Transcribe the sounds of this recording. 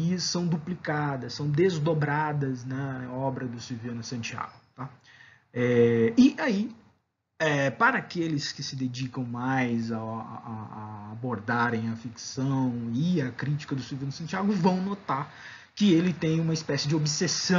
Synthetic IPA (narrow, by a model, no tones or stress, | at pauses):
iɐssɐ̃w̃d̪uplikad̪ɐssɐ̃w̃d̪ezd̪obɾad̪ɐznɐɔbɾɐd̪ʊsiwviɐ̃nʊsɐ̃t͡ʃia̰ɡʊt̪a | ɛɪai | ɛpaɾɐːkelɪskɪsɪd̪ed͡ʒikɐ̃w̃majza̰aːboɾd̪aɾẽj̃ɐfiksɐ̃w̃ɪɐkɾit͡ʃi̥kɐd̪ʊsuviɐ̃nʊsɐ̃t͡ʃiaɡʊvɐ̃w̃not̪aɾ | kɪelɪt̪ẽj̃ũmɐispɛsɪd͡ʒɪobsesɐ̃